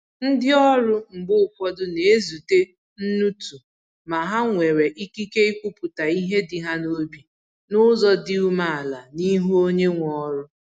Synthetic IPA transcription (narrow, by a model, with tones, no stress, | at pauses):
n̩˦dɪ˦ɔ˦ɾʊ˦m̩˨bʊ˦ʊ˨kʷɔ˦dʊ˦ne˨e˦zu˨te˦ | n̩˦nu˦tu˨ | ma˨ɦa˦ŋʷe˨ɾe˨ʔi˦ki˦ke˦i˦kʷu˦pʊ˨ta˨i˦ɦe˦dɪ˨ɦa˦no˦bi˨ | nʊ˦zɔ˦dɪ˦u˦ma˦˨a˨la˨ni˦ɦu˦o˦ɲe˦ŋʷɔ˦ɾʊ˦